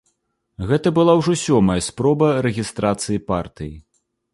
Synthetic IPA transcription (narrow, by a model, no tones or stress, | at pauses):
ɣɛt̪ɐbɨlˠawʐɔsʲɔmɐjɐspɾɔbɐɾɛɣʲist̪ɾat̪sɨjipart̪ɨji